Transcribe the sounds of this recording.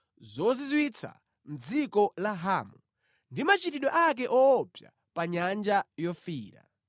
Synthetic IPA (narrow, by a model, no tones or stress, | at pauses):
zɔzizwit͡sʰa̰ | m̩d͡zikɔlaɦaːmu | ndimat͡ʃitiɗɔʔak̬ɛʔɔːpja̰ | paɲand͡ʒajɔfiːɾa̰